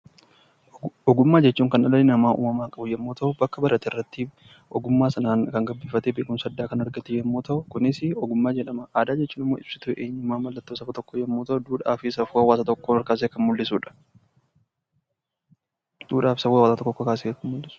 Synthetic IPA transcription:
ɔɡʊmːaːd͡ʒɛt͡ʃːuːŋkɐnɐlɐnɪnɐmaːʔṵːmɐmaːkʼɐbʊjɛmːoːt̪ɐʔʊbɐkːɐbɐɾɐt̪ɪrːɐt̪ːi | ʔɔɡʊmːaːsɐnaːŋkɐŋɡɐbːiːfɐt̪eːbeːkʼʊmsɐd̪ːaːkɐnɐɾɡɐt̪ɪjɛmːoːt̪ɐʔʊkʊnɪsɪɔɡʊmːaːd͡ʒɛᶑɐmɐʔaːd̪aːd͡ʒɛt͡ʃːuːnɪmːoːɪb̥sɪ̥t̪ʊʔeːɲːɪmaːmɐlːɐt̪ːoːsɐfɐt̪ɔkːojɛmːoːt̪ɐʔʊd̪uːᶑaːfɪsɐfuːhɐwaːsɐt̪ɔkːoːnɔɾkaːs̬eːkɐnmʊlːɪsuːᶑɐ̥ | d̪̥uːᶑaːfɪ̥sɐfuːwaːsat̪ɔkːɔkːokaːseːkɐnmʊlːɪsʊ̥

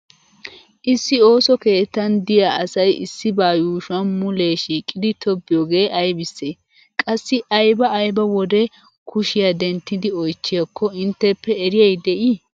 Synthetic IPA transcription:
ʔɪsːɪo̞ːsɔke̞ːt̪ːɐnd̪ɪjaʔɐsɐjɪ̰sːɪbaːjuːʃʊɐnmʊle̞ːʃiːkʼːɪd̪ɪt̪ʰɔbːɪjoːɡe̞ːʔɐjbɪsːeː | kʼɐsːɪʔɐjbɐːjbɐwɔd̪ɛ | kʰʊʃɪjad̪ɛnt̪ːɪd̪ɪɔjt͡ʃːɪjɐkʰːɔɪnt̪ːɛpːɛːɾɪjɐjd̪ɛʔi

